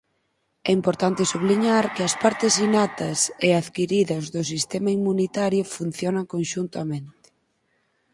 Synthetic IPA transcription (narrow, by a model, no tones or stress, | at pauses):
ɛimpoɾt̪ant̪ɪsuβliɲaɾkɪɐspaɾt̪ɪsinat̪ɐseaðkiɾiðɐzðʊsist̪ɛmɐimunit̪aɾjʊfun̟θjɔnɐŋkonʃunt̪ɐmẽnt̪ɪ̥